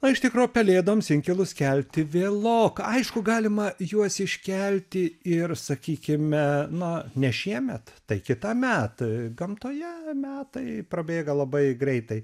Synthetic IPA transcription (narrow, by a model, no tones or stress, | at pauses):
nɐɪʃt̪ʲɪkɾuːjʊpʲɛlʲeːd̪ɐʋomsʲɪŋʲkʲɪlˠʊskʲɛlʲt̪ʲɪʋʲeːlˠoːkɐɪʃkʊɡɑːlʲɪmɐjuɔsɪʃʲkʲælʲt̪ʲɪɪrsɐkʲiːkʲɪmʲɛnɐnʲɛʃʲiɛmʲɛt̪t̪ɐɪkʲɪt̪ɑmʲæːt̪ɐɪɡɐmt̪oːjɛmʲæːt̪ɐɪpɾɐbʲeːɡɐlˠɐbɐɪɡɾʲɛɪt̪ɐɪ